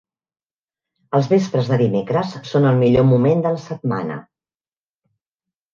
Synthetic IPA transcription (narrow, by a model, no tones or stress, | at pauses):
əlˠzβespɾəzðəðimekɾəsːonəlˠmiʎomumend̪ələsət̪̚ma̰nə̰